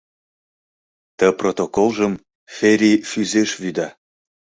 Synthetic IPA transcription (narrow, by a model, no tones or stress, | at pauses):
t̪əprot̪okolˠʒəm | feɾʲifyzeʃβyd̪ɑ